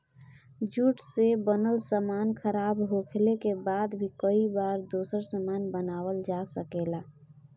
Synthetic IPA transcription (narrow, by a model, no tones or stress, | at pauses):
d͡ʒuʈsebənəlsəmankʰəɾabɦokʰlekebaːd̪bʱikəibaɾd̪osəɾsəmanbənaːwəld͡ʒasəkela